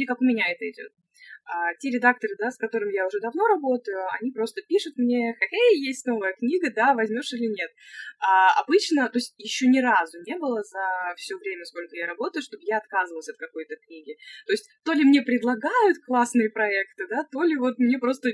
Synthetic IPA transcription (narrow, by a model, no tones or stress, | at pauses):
ɪkakʊmʲɪnʲaɛt̪əjɪdʲo̞̰t̪̚ | atʲeɾʲɪd̪ak̚t̪əɾɨd̪askɐt̪o̞ɾɨmʲjaʊʐɛd̪ɐvno̞ɾɐbo̞t̪əjʊɐ̰nʲipɾo̞st̪əpʲiʂʊt̪mnʲe̞xɐtʲejjesʲtʲno̞vɨjəknʲiɡəd̪avɐzʲmʲo̞ʂɨlʲɪnʲe̞t̪̚aɐ̰bɨt͡ɕnət̪o̞ɪsʲtʲjɪɕːonʲɪɾazʊnʲe̞bɨlˠəzɐfsʲovɾʲemʲəsko̞lʲkəjaɾɐbo̞t̪əjʊʂt̪o̞bɨjaɐt̪kazɨvəlˠəsʲɐt̪̚kɐko̞jt̪əknʲiɡʲɪt̪o̞ɪsʲtʲt̪o̞lʲɪmnʲe̞pɾʲɪd̪lˠɐɡajʊt̪klˠasnɨjəpɾɐɛkt̪ɨd̪at̪o̞lʲɪvo̞t̪̚mnʲe̞pɾo̞st̪ə